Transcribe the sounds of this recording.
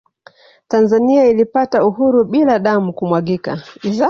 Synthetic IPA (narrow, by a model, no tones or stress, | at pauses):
tanzaniailipatauhuɾuɓilaɗamukumwaɠika̰iza